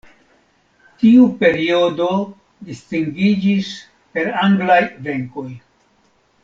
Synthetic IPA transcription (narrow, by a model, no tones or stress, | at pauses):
tiupe̞ɾio̞do̞ | distiŋɡid͡ʒis | pe̞ɾaŋɡlajve̞ŋko̞j